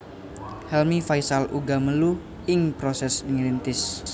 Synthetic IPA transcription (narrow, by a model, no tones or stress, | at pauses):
hɛlmifajsalʔuɡaməlu | ɪŋpɾosɛsdəŋilint̪ɪs